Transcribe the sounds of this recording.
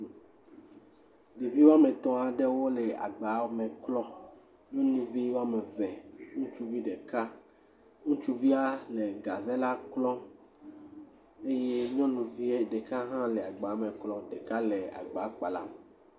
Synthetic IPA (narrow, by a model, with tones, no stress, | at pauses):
ɖe˨vi˦wo˦a˦me˨t̪ɔ̃˨a˨ɖɛ˦wo˦lɛ˨a̰˨ɡ͡ba˨˦mẽ˨klɔ˦ | ɲ˦ɔ̃˦nũ˨vi˦wa˦me˨vɛ˨ŋũ˦t͡ʃu˦vi˦ɖe˨ka˦ | ŋũ˦t͡ʃu˦vi˦a˦le˨ɡa˨ze˦la˦klɔ˦ | e˦je˦ɲ˦ɔ̃˦nũ˨vi˦e˦ɖe˨ka˦ɦã˦lɛ˨a˨ɡ͡ba˨˦mẽ˨klɔ˦ɖe˨ka˦le˨a̰˨ɡ͡ba˨˦k͡pa˨la̰˦m˨